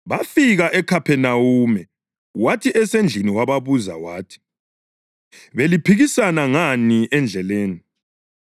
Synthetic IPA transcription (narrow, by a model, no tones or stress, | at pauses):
βafiɣaʔɛkʰapʰɛnawuːmɛ | watʰiʔɛsɛnd͡ɮʱiniwaβaβuza̰wa̰ːtʰi̥ | βelipʰiɣisanaŋaniʔɛnd͡ɮʱɛleːni